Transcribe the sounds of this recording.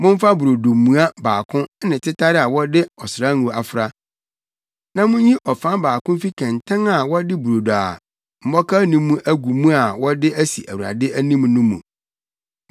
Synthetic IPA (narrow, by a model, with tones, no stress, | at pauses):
mʊ̃˦m˦fa˦bu˨ɾo˨do˨mũ˨˦a˦baː˨kʰʊ̃˦nɪ̃˨tʰɪ˦tʰa˦ɾɪ˦a˨wɔ˦dɪ˦ɔ˨sɾa˦nũ˨a˨fʊ˦ɾa˦ | nã˦mʊ̃˦ĩ˦ʔɔ˨fã˦baː˨kʊ̃˦m˦fi˦kʰɛ̃˨ntʰã˦na˨wɔ˦dɪ˦bu˨ɾo˨do˨a̰˨ | m̩˨mɔ˦kʰa˦nĩː˦ũ˦ʔæ˦ɡu˨mũ˦a˨wɔ˦dɪ˦æ˦si˨ʔæ˨wu˨ɾa̰˨dɪ˦æ˦nĩ˦m˦nʊ̃˦mṵ̃˨